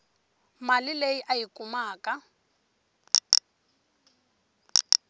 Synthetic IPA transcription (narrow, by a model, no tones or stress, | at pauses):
malɪlejiʔaikʼumaːkʼa